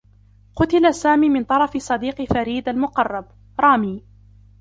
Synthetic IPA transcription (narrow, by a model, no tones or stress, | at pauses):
qʊt̪ɪlasaːmiːmɪnt̪ˤɑɾˤɑfɪsˤɑd̪iːqfaɾiːd̪almʊqɑrˤːɑb̚ | ɾˤɑːmiː